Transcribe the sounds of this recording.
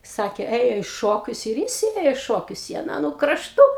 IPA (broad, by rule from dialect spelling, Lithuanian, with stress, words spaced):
ˈsɑːkʲeː ˈeːjoː iː ˈʃoːkʲʊs ɪr ˈjɪs ˈeːjoː ɪ ˈʃoːkʲʊs ɪ ɐˈnɑː nʊ krɐʃˈtʊ